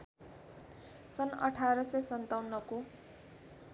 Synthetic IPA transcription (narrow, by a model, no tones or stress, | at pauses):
sʌnʌʈʰaɾʌsesʌnt̪awnʌko